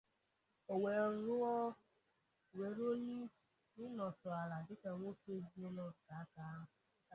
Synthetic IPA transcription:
o˨we˨n̩˨ɾʊ˦ɔ˦ | we˨ɾo˦ni˦ | nɪ˦nɔ˨tɔ˨a˨la˨dɪ˦ka˨ŋʷo˦fe˦zi˦e˦nɔ˦˨ka˨a˦ka˦ɦ

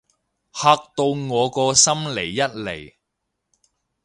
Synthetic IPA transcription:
haː˧k̚t̪o˧wŋɔː˨˧kɔː˧sɐ˥mle˨˩jːɐ˥t̚le˨˩j

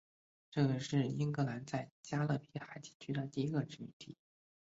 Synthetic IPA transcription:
ʈ͡ʂɤ˥˩ɡə˩ʂɻ̩˥˩i˥ŋkɤ˧˥la˧˥nt͡sa˥˩ɪt͡ɕja˥lɤ˥˩pʰi˥xa˧˥ɪt͡ɕi̥˧˥t͡ɕʰy˥d̪ə˨t̪i˥˩i˧˥ɡə˧ʈ͡ʂɻ̩˥˩mḭ˧˩nt̪ʰḭ˥˩˦

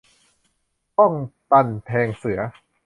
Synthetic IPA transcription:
tɔ˥˩ŋt̪a˧npʰɛː˧ŋsɯ˩˦ɐ

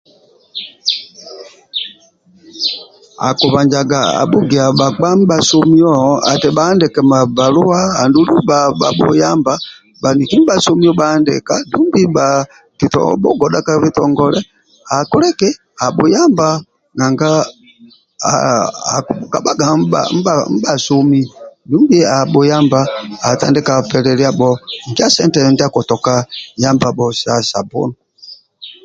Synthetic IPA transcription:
a̰˨ku˨βa˨ɲd͡ʒa˨ɡaa̰˨ɓu˦ɡɛ˨a˨ɓa˨k͡pa˦m˦ba˨sɔ˦miɔa̰˨tɛ˨ɓaː˦ndɛkɛ˨ma˨ba˨lu˦wa˦ha˨ndu˦lu˦baɓa˨ɓṵjamba | ba˨ni˨ki˦m˦ba˨su˦mi˦ɔ˦ɓaːndɛ̰˨ka˦du˦mbiba | ki˨tɔ̰ɓɔ˦ɡɔɗa˦ka˦βitɔŋɡɔlɛ | a˨kɔ˦lɛ˦kɛ˦ | a˨ɓu˨ja˦mba˦ | na˨ŋɡa˦ | a̰˨kka˨ɓa˦ɡa̰˨m̩˦bam̩˦ba˨su˦mi˦du˦mbi˦a˨ɓɔ˨ja˦mba˦a˨ta̰˨ndɛ˦ka˨pɛ˨lɛ˨li˦a˦ɓɔ˦ŋ˨ɡi˦a˦sɛ˦ntɛ˨ndi˦a˦kɔ˨tɔ˨ka˦ja˦mba˨ɓɔ˨sa˨sa˨bɔ̰˦nɔ

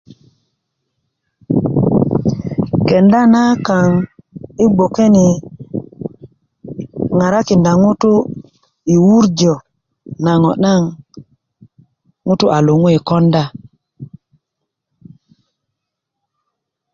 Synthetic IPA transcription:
ke˨nda˦na˦ka˨ŋi˦ɡ͡bo˨ke˦ni˨ | ŋa˨ɾa˦ki˨nda˨ŋu˦tu˦ | i˨wu˦ɾd͡ʒo˨ | na˨ŋo˨na˦ŋ | ŋu˦tu˦ʔa˨lu˨ŋu˦i˨ko˦nda˦

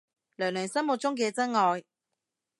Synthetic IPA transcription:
lœː˨˩ŋlœː˨˩ŋsɐ˥nmʊ˨˧t̚t͡ʃʊ˥ŋk̬ɛː˧t͡sɐ˥ŋŋɔː˨˧j

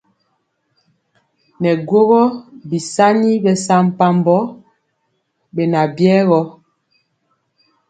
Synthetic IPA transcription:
nɛ˨ɡwo˦ɣɔ˦bi˨sa˦ni˦bɛ˨sa˦m̩˨pa˦mbɔ˦ | bɛ˨na˨bjɛː˦ɣɔ˦

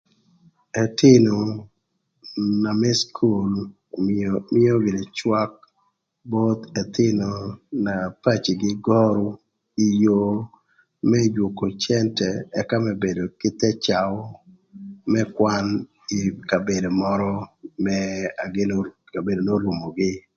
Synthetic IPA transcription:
ɛ˨t̪ɪ˦no˨ | na˨mɛ˦skʰu˦˨l | mɪ˦o˦ɡɪ˨ne˨t͡ʃwa˦k̚ | bo˦d̪ɛ˨t̪ɪ˦no˨na˨pa˦t͡ʃi˨ɡɪ˦ɡɔ˦ɾo˦ | i˨jo˦ | mɛ˦d͡ʒwo˨ko˨t͡ʃɛntɛɛ˦ka˦mɛ˦be˨do˨kɪ˦t̪ɛ˦t͡ʃa˨w | mɛ˦kwa˦n | ɪka˨be˨do˨mɔ˦ɾɔ˦mɛ˦a˨ɡɪ˦no | ka˨be˨do˨no˦ɾu˨mo˨ɡɪ˦

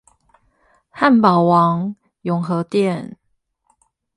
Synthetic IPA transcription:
ha˥˨npɑ˨˩ʊwɑ˨˦ŋ | jʊ˨˦ŋxɤ˨˧˦t̪jɛ˥˨n

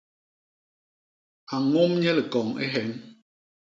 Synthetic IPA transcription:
a˨ŋo˦mɲɛ˦lɛ˨kɔ˨ŋḛ˦ɦɛ˨˦n

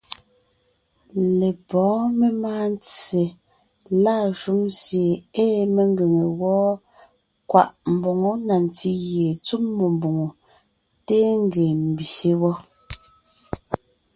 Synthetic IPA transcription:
le˨pɔ̃ː˨˦me˦maː˦n˦t͡se˨ | la˦˨ʒu˨˦ŋsje˨eː˦me˨ŋ˦ɡe˨ŋe˨wɔː˦ | kwa̰˦˨ʔm̩˨bɔ˨ŋo˦na˨n˨t͡si˦ɣje˨t͡su˦mːo˨mbo˨ŋo˨ | te˦ŋ˦ɡe˨m̩˨be˦wɔ˦

